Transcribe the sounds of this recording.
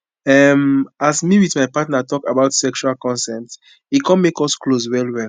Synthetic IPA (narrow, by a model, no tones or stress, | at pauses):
ɛmasmiwiθmajpatnatɔkabaʊtsɛkʃualkɔ̃nsɛpt | ikʰɔ̃nmekɔskloswɛlwɛl